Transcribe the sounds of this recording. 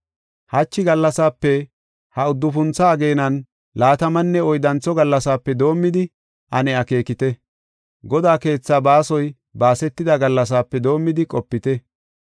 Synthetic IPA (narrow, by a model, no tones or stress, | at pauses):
hɐt͡ʃːɪɡɐlːɐsaːpːɛ | hɐʊd̪ːʊf̬ʊnt͡sːɐːɡe̞ːnɐn | laːt̪ɐmɐnːɛɔjd̪ɐnt͡sːɔɡɐlːɐsaːpːɛd̪o̞ːmːɪd̪ɪ | ʔɐnɛɐke̞ːkɪt̪ɛ | ɡɔd̪aːke̞ːt͡sːaːbaːsɔj | baːsɛt̪ːɪd̪ɐɡɐlːɐs̬aːpːɛd̪o̞ːmːɪd̪ɪkʼɔpːɪt̪ɛ